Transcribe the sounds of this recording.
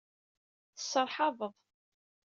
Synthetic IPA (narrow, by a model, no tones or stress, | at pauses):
θəsəɾˤħɑðəðˤ